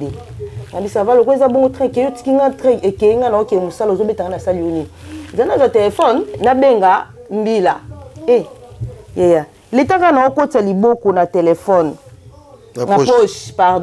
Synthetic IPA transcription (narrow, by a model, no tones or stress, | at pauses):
enabisavalokoezaboŋɡotʰɛkeoti̥kiŋɡatɛekejiŋɡanaokemosalozobetaŋɡanasalijoniezanazatelefɔnːabeŋɡa | m̩bilae | jaja | letakanawokotalibokonatelɛfɔn | napoʃpad